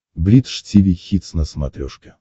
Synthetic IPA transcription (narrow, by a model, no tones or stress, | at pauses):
blʲit̪ʂtʲivʲixʲit̪snəsma̰t̪ɾʲɔʂkʲɪ